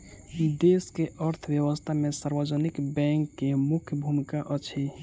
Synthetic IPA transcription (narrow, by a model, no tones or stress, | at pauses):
d̪eskeʔəɾt̪ʰwjəwəst̪ʰamesəɾbəd͡ʒənikbɛ̃ŋkːemukʰjəbʱumikaʔət͡ʃʰi